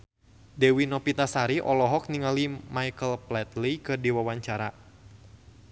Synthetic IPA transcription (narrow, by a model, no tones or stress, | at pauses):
dɛwinɔpit̪asaɾiʔɔlɔɦɔk̚niŋalimajkəlplɛt̪likɨrdiwawaɲt͡ʃaɾa